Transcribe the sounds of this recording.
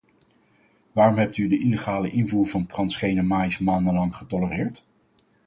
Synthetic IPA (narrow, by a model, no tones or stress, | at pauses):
ʋaːrɔmɦɛp̚tydəʔileχaːləʔɪnvuːɹvɑntrɑnsχejnəmaːjsmaːndənlɑŋχətɔlərɪːɹt